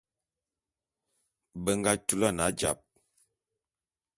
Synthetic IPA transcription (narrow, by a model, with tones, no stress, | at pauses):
bə˦ŋɡa˦tu˦la˦˨na˨˦d͡ʒa̰˨p̚